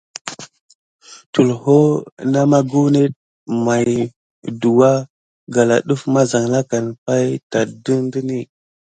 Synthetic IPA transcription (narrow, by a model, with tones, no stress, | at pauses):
tu˨lho˦na˦ma˦ɡu˦wne˦t̚ | ma˨j | du˨wa˦ | ɡa˨la̰˨ɗu˦fma˦za˨ŋla˦ka˨npa˦jta˨du˦ndi˦ni˦